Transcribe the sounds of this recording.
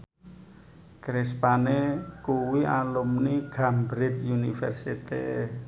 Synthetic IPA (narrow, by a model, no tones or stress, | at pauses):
kɾɪspanekuwiʔalumniɡ̥ambɾit̪junifɛ̰rsit̪ḭ